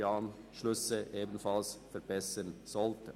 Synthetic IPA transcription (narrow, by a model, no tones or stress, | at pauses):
ɑn | ʃlʏsəʔeːbən̩fɑlsfɛɾbɛsənz̥ɔltə